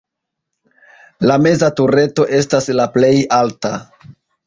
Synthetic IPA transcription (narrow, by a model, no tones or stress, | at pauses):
lame̞zatuɾe̞to̞ʔe̞staslaple̞jalta